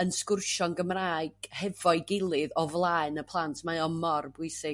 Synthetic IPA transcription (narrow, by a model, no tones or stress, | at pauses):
ənskʊrʃɔnɡəmraːɨɡ̥hɛvɔɨɡɪlˠɨðɔvlˠaɨnəpʰlˠantʰmaɨɔmɔrbʊɨsɪ